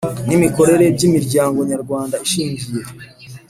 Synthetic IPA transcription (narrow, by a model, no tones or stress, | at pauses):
nimiko̞ɾe̞ɾe̞bɟimiɾɟaːŋɡo̞ɲaɾɡwaːndaiʃiːɲɟije̞